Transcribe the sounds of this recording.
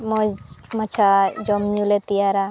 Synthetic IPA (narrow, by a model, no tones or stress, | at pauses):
mɔzmat͡ʃʰad͡ʒɔmɲulet̪ijaɾa